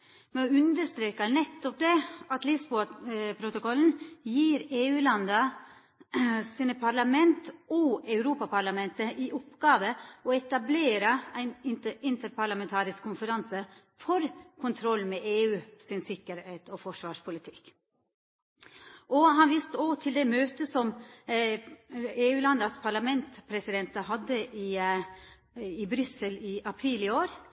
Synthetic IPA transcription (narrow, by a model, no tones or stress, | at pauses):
mɛɔʉnd̪əʂt̪ɾeːkənɛt̪ːɔp̚d̪ɛːɑt̪lɪsbupʰɾʊt̪ʊkɔln̩jiːɾeːʉːlɑnd̪ɑ | siːnəpʰɑɾɭɑmɛnt̪ɔɑʉɾuːpɑpʰɑɾɭɑmɛnt̪əʔɪʔʊpɡ̥ɑːʋəɔɛt̪ɑbleːɾəæɪnɪɪnt̪əɾpɑɭɑmɛnt̪ʰɑːɾɪskʰːʊnfəɾɑnsə | fɔɾkʰʊnt̪ʰɾɔlːmɛʔeːʉːsɪnsɪkːəɾheːt̪ʰɔfɔʂʋɑːʂpʰʊlɪt̪ʰɪ̥kː | ʔɔɦɑnʋist̪əot̪ʰɪld̪ɛmøːt̪əsɔm | eːʉːlɑnd̪ɑspʰɑɭɑmɛnt̪pʰɾɛsɪd̪ɛnt̪əɦɑd̪ːəʔɪ | ɪbɾʏsəlɪʔɑpʰɾiːlɪoːɾ